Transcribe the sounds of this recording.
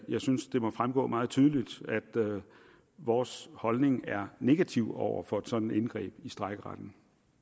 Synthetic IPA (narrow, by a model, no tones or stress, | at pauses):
jɑ̈ɪsynsd̥e̝mɒ̽fʁamɡ̥ɔ̰̽ːmɑ̈ːð̞̩ˠt͡sʰyːð̞ˠlid̥æd̥ | ʋɒːshɒ̽lne̝ŋæɐne̝ɡ̥æt͡sʰiʊɒʊ̰ɐ̰fɒ̽e̝d̥sɒ̽d̥n̩enɡ̥ʁɛ̰ːb̥isd̥ʁaɪɡ̥əʁad̥n̩